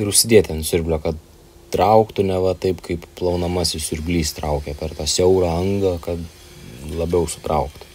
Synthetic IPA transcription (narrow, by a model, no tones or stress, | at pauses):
ɪɾʊʃʲsʲɪd̪ʲiːt̪ʲɛnsʲʊɾʲbʲlʲɛkɐt̪̚ | t̪ɾɐʊkt̪ʊnʲɛʋɐt̪ɐɪpkɐɪpplˠɐʊnɐmɑːsʲɪsʲʊɾʲbʲlʲiːst̪ɾɐʊkʲɛpʲɛrt̪ɑːsʲɛʊɾɑːɐŋɡɐkɐt̪ | lˠɐbʲɛʊsʊ̥t̪ɾɐʊkt̪ʊ